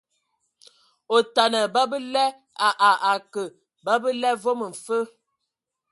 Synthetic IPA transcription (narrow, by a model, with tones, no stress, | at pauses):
o˨ta˨nə˨bə˦bə˦lɛ˦ | a˨ʔa˨ʔa˨kə˨ | bə˦bə˦lɛ˦vo˦mə˨m̩˨fə˦